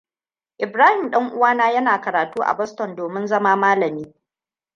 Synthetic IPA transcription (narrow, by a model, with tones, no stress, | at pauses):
ʔɪ˨bɾaː˦hɪ˨mɗɐ˦ŋʔʊ˦waː˦naː˦jɐ˦naː˨kɐ˨ɾaː˨tuː˦ʔa̰˨bɔ˦stɔ˨ndoː˨mɪ˦nzɐ˦maː˦maː˦lɐ˨miː˦